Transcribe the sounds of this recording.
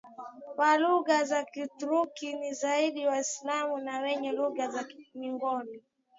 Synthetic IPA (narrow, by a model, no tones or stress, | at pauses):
waluɣazakiutuɾukinizaiɗiwaislamunawɛɲɛluɣazamiŋɡɔni